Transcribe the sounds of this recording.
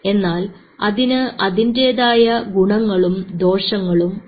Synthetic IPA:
e̞nːaːl | ɐðinɨʔɐðinde̞ːðaːjɐɡuɳɐŋːɐɭumd̪o̞ːʂɐŋːɐɭum

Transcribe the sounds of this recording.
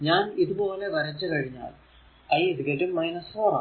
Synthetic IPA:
ɲaːniðubo̞ːle̞ʋɐɾɐt͡ɕːɐkɐɻiɲːa̰ːl | ɐjisɡeʈːumːɐjnɐsfoːɾa̰

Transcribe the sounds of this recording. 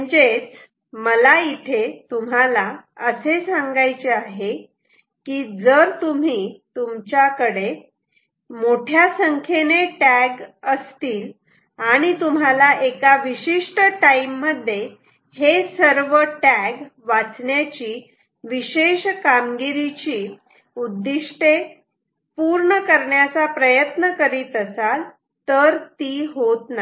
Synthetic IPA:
əd͡ʑet͡s | məlait̪ʰet̪um̤alaəsesãŋɡajt͡ɕeaɦe | kiːd͡zəɾt̪um̤iːt̪umt͡ɕjakəɽe | moʈʰjasəŋkʰeneʈæɡəst̪iːl | aɽ̃it̪um̤alaʔekaʋiɕiʂʈəʈaimːəd̪ʱːje | hesəɾʋəʈæɡʋat͡sɳjat͡ɕiː | ʋiɕeɕkamɡiɾit͡ɕiː | ud̪ːiʂʈe | puɾɳəkəɾɳjat͡sapɾəjət̪nəkəɾiːt̪əsal | t̪əɾt̪iːɦot̪na

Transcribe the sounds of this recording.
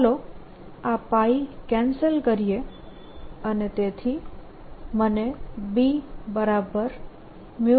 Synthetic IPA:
lo | apaikɛ̃nsəlkəɾije | ənet̪et̪ʰi | mənebibəɾabəɾ | mu

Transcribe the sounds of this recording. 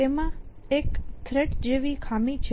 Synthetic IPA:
emã | ekt̪ʰɾeʈd͡ʒeʋikʰamit͡ʃʰ

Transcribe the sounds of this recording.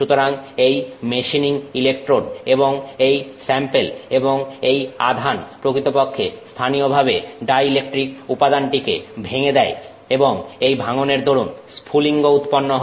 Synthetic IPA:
ʃut̪oɾaŋejmeʃiniŋilekʈɾoɖeboŋejsɛmpeleboŋeja̰d̪ʱanpɾokɾit̪opokʰːest̪ʰanijobʱabeɖajilekʈɾikupad̪anʈikḛbʱeŋed̪ɛe | eboŋejbʱaŋoneɾd̪ʱoɾunspʰuliŋɡout̪ponːoɦ

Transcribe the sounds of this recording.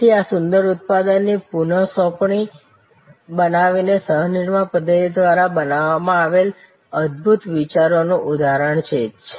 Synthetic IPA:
t̪ʰiasʊnd̪əɾut̪̚pad̪ənːipunəsɔ̃kɳi | bənaʋinesəɦniɳmapəd̪ʱːətid̪ʋaɾabənaʋːamãaʋel | əd̪̚bʱut̪ʋit͡ʃaɾonũʔud̪ʱaɾəɳt͡ʃʰet͡ʃʰe̥

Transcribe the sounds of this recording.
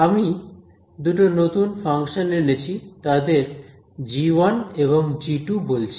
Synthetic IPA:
ami | d̪uʈonot̪unfʰaŋʃonenet͡ɕʰit̪ad̪eɾ | d͡ʑiwoneβoŋd͡ʑiʈubolt͡ɕʰi̥

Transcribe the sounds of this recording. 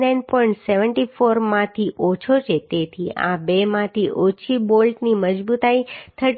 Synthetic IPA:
nainpɔiɳʈseʋəɳʈifoɾmãt̪ʰiʔot͡ʃʰot͡ʃʰet̪et̪ʰiʔa̰bemãt̪ʰiʔot͡ʃʰibolʈniməd͡ʒbut̪ait̪ʰəʈ

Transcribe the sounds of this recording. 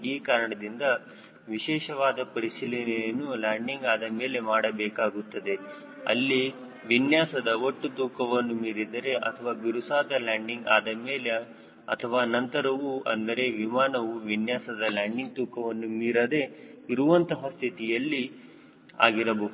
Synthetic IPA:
iːkaːɾɐɳɐd̪ind̪ɐ | ʋiʃɛːʃɐʋaːd̪ɐpɐɾisilɐnɛjɐnːulaːɳɖiŋɡaːd̪ɐmeːle̞maːɽɐbɛːkaːɡut̪ːɐd̪e̞ | ɐ̰lːi | ʋinjaːsɐd̪ɐoʈːut̪uːkɐʋɐnːumiːɾid̪ɐɾe̞ʔɐ̰t̪ʰɐʋaːbiɾusaːd̪ɐlaːɳɖiŋɡa̰ːd̪ɐmeːle | ɐt̪ʰɐʋaːnɐnt̪ɐɾɐʋuɐ̰nd̪ɐɾe̞ʋimaːnɐʋuʋinjaːsɐd̪ɐlaːɳɖiŋ̚t̪uːkʰɐʋɐnːumiːɾɐd̪e̞iɾuʋɐnt̪ɐɦɐst̪ʰit̪ijɐlːi | a̰ːɡiɾɐboː

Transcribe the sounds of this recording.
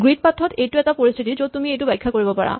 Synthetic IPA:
ɡɹit̪̚pat̪ʰːɔt̪ejʈuɛkapoɾist̪ʰit̪̬id͡ʑot̪umiejʈubɛjkʰːakoɾibopaɹa̰

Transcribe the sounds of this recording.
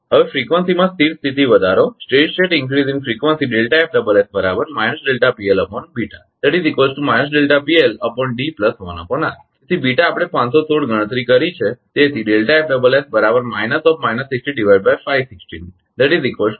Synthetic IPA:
ɦəʋefɾikʋənsimãst̪ʰiʈst̪ʰit̪iʋəd̪ʱaɾosʈɾeʈt͡ʃeʈɪ̃ŋkɾizĩŋfɾikʋənsiɖelʈaep̚ɖəbəlesbəɾabəɾmajnəsɖelʈapieləpɔnbiʈa | d̪̥ɛʈizikʋəzʈumajnəs̬ɖelʈapieləpɔɳɖipləsɦɔʋa̰na̰pəɳaet̪ʰibiʈaːpɽ̃epãnsosʰoɽɡəɽ̃ə̃t̪ɾikəɾit͡ʃʰet̪et̪ʰiɖelʈaep̚ɖəbəlesbəɾabəɾmajnəsɔfmajnəsːiksʈiɖiʋajɖbajfajʋsɪksʈini | d̪ɛʈizikʋəl

